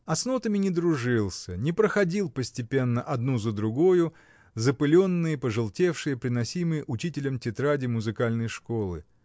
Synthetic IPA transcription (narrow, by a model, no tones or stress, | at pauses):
ɐsnot̪əmʲɪnʲɪd̪ɾʊʐɨlˠsʲənʲɪpɾəxɐdʲilˠpəsʲtʲɪpʲe̞nːəʔɐd̪nuzəd̪ɾʊɡojʊ | zəpɨlʲonːɨjəpəʐɨlˠtʲe̞fʂɨjəpɾʲɪnɐsʲimɨjəʔʊt͡ɕitʲɪlʲəmtʲɪt̪ɾadʲɪmʊzɨkalʲnəjʂko̞lˠɨ̰